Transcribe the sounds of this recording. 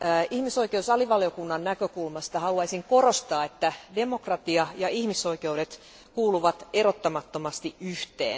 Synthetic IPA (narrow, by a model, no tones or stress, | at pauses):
ihmisoikeusɑliʋɑljokunːɑnnækøkulmɑst̪ɑhɑluɑisiŋkorost̪ɑːet̪ːæde̞mokrɑt̪iɑjɑihmiso̞ike̞wɾet̪ | kuːluʋɑt̪eɾot̪ːɑmɑt̪ːomɑst̪iʔʔyht̪ḛːn